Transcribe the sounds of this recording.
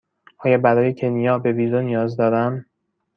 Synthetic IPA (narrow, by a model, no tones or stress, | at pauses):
ʔɒːjɒːbæɾɒːjecʰe̞nijɒːbe̞bid̪onijɒːzd̪ɒːd̪æm